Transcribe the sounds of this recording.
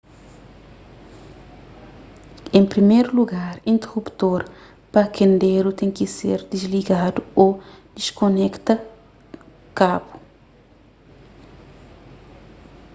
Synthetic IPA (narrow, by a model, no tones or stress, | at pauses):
ẽmpɾimejɾuluɡaɾĩnt̪erupt̪oɾ | pɐkʰẽnd̪eɾut̪ẽŋkisḛɾd̪izliɡad̪uo | d̪̥iʃkonɛkt̪ɐ | kabu̥